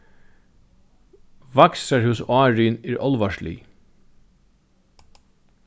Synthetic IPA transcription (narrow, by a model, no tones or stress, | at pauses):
ʋɑksəɹhʉsɑːɹʏːneːɹʔɔlʋɑʃɭḭː